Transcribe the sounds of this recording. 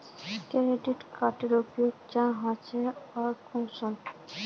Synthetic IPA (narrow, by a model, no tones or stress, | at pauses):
keɾeɖiʈkaʈeɾupjoɡ̚d͡ʑãɦõet͡ɕʰeɔɾkunson